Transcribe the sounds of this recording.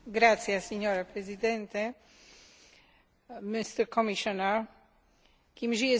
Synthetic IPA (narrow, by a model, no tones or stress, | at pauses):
ɡɾat̪sjaseɲɔɾapɾezid̪ɛ̃nt̪ɛ | mist̪ɛɾkɔmiʃɔnaɾ | kimʒijɛ